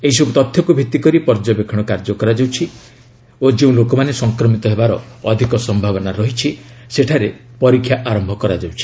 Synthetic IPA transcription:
eɦisɔbut̪ɔt̪ʰjɔkubʱit̪ːikɔɾipɔɾd͡ʒɔbekʰɔɽ̃ɔkaɾd͡ʒɔkɔɾad͡ʒawt͡ʃʰi | od͡ʒeũlokɔmanesɔŋkɾɔmit̪ɔɦebaɾɔːd̪ʱikɔsɔmbʱaβɔnaɾɔɦit͡ʃʰiseʈʰaɾepɔɾikʰːjaʔaɾɔmbʱɔkɔɾad͡ʒawt͡ʃʰi̥

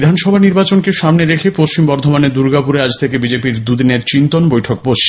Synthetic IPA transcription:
d̪ʱanʃɔbʱaniɾbat͡ɕonkeʃamneɾekʰepoʃt͡ɕimbɔɾd̪ʱomaned̪uɾɡapuɾead͡ʑt̪ʰekebid͡ʑepiɾd̪ud̪ineɾt͡ɕint̪onbojʈʰok̚poʃi

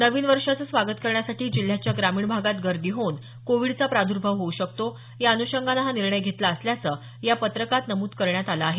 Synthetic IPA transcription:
nəʋiːnʋəɾʂat͡səsʋaɡət̪kəɾɳjasaʈiːd͡ʑil̤ːjat͡ɕjaɡɾamiːɳbʱaɡat̪ɡəɾd̪iːɦon | koʋiɽt͡sapɾad̪ʱuɾbʱəʋɦouɕəkt̪o | jaənuɕəŋɡʱanaɦaniɾɳəjɡʱet̪laəsljat͡səː | japət̪ɾəkat̪nəmuːd̪kəɾɳjat̪alaːɦe

